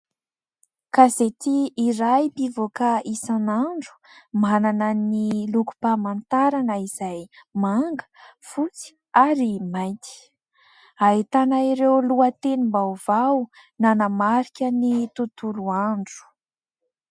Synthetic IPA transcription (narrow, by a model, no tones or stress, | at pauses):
kazet̪iːɾajpivokaisanaɳɖ͡ʐu̥ | mananəniluku̥pamant̪aɾanəiz̥ajmaŋɡə̥fut͡si̥ | aɾimajt̪i̥ | ait̪anaiɾewluat̪enimbawvaw | nanəmaɾikʲənit̪ut̪uluaɳɖ͡ʐu̥